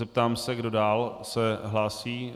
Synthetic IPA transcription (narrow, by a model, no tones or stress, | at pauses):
ɛp̚t̪aːmsɛɡdo̞daːlsɛɦlaːsiː